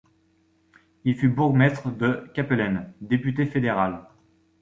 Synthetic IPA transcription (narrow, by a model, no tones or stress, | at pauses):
ilfybuʁɡmɛt̪χəd̪əkʲapelɛnd̪epyt̪̬efed̪eʁal